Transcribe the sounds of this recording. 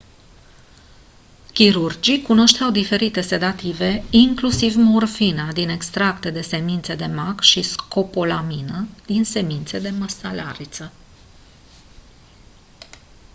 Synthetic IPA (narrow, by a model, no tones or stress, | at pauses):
kʲiɾurd͡ʒikuno̞ʃt̪eawd̪ife̞ɾit̪e̞se̞d̪at̪ive̞iŋklusivmorfinad̪ine̞kst̪ɾakt̪e̞d̪e̞se̞mint̪se̞d̪e̞makʃisko̞polaminəd̪inse̞mint̪se̞d̪e̞məsalaɾit̪sə